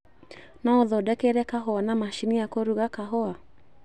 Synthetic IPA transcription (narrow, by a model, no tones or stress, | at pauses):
naoðɔdɛkeɾɛkaɦɔanamaʃiniakoɾuɣakaɦɔa